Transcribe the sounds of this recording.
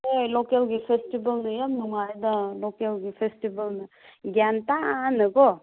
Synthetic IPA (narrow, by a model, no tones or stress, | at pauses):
ejlokelɡipʰesʈibɐlnɯjamnuŋajd̪alokelɡipʰesʈibɐlnɯ | ɡjantaanɯɡo